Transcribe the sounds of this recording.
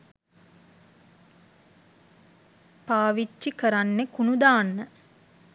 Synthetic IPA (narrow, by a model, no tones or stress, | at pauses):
paːʋit͡ʃːikəɾanːekunud̪aːnːə